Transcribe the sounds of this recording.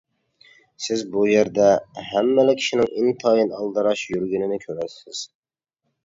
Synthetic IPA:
sɪzbujæɾd̪ɛhæmːɛlɪkʲʰi̥ʃɪnɪŋɪnt̪ʰɑjinɑlˠd̪ɑɾɑʃjyɾɡʲynɪnɪkʲʰøɾɛt̪sɪz̥

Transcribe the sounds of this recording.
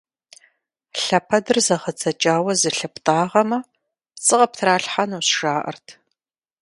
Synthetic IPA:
ɬɐpʰɐdɨrzɐʁət͡sʰʼɐt͡ʃʼaːwɐzɨɬɐp̚tʼaːʁɐmɐ | t͡sʼɨʁɐp̚tʰɾaːɬħanuːɕʂaːʔɐ̰rtʰ

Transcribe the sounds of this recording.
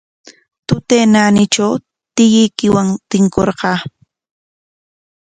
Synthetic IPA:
t̪ʊt̪eːnaːnɪt͡ʃaw | t̪ɪjɪjkɪwaŋt̪ɪŋkoɾqɑː

